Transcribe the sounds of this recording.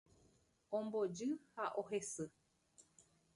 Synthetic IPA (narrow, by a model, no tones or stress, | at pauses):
õmbod͡ʒɨhaʔoɦesɨ